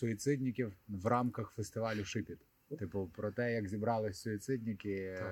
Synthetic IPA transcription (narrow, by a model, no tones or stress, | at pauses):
sʊit̪sɪtʲnʲɪkʲiwʋrɑmkɐxfest̪ɪʋɑlʲʊʃɪpʲit̪ | t̪ɪpʊpɾɔt̪ɛjɐkzʲibɾɑlˠɪsʲsʊit̪sɪtʲnʲɪkʲɪ